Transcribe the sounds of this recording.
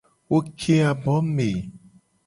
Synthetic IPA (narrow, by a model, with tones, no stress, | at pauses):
wo˦kʰe˦a˨bɔ˨˦me˨